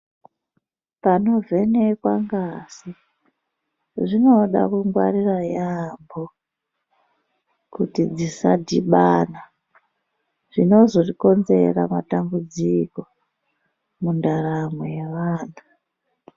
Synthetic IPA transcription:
pano̞vʱe̞nekwaŋɡasi | ʐino̞ɗa̰kuŋɡwa̰ɾirajambo | kutid͡zisadʱiɓaːna | ʐ̥ino̞zo̞riko̞nze̞̰ramatambud͡ziko̞ | mundaramwejeʋaːna

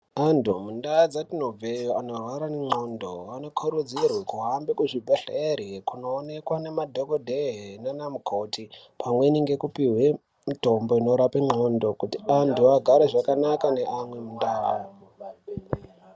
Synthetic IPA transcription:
antumundaad͡zatino̞vʱejoanorwaɾaneŋ͡ǃondo̰ano̞kʰuɾud͡zirwekuɦambikuʐibʱeɬeɾikuno̞ːnekwane̞madʱokodʱeɦenanamukʰo̞tʰi | pʰamweniŋɡe̞kupiɦwe | mito̞mbo̞ino̞ɾapeŋ͡ǁo̞ndo̞kutiantuaɡʱaɾeʐakanakane̞ʔamwe̞mundaːa

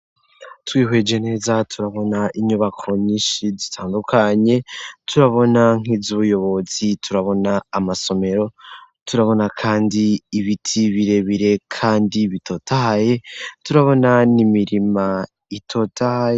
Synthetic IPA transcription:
twiːɦwe̞d͡ʒe̞ne̞ːzatʰuɾaβo̞naʔiɲuβakʰo̞ɲiʃizitʰaːndukʰaɲe̞tʰuɾaβo̞naŋ̥ivzuβujo̞βo̞z̥itʰuɾaβo̞naːmaso̞me̞ɾo̞tuɾaβo̞nakʰaːndiːβitʰiβiɾe̞βiɾe̞kʰaːndiβitʰo̞ːtahaje̞tuɾaβo̞nanimiɾima | itʰo̞tahaje

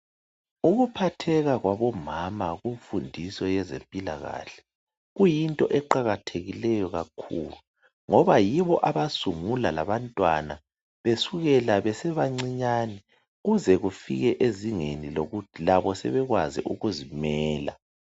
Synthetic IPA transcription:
uɣupʰatʰɛɣaɣwaβɔmamaɣuɱfundʱisɔjɛzempʼila̰ɣa̰ɬɛ̥ | ɣujintʼɔʔɛǃaɣatʰeɣilɛjɔɣakʰṵːlu | ŋɔβajiβɔʔaβasuŋulala̰βantʼwa̰na̰ | βesuɣɛlaβɛsɛβaŋ͡ǀiɲaːnɛ | ɣuzɛɣufḭɣɛʔeziŋeniloɣutʰilaβɔsɛ̰βɛɣwazḭʔuɣuzimɛːla̰

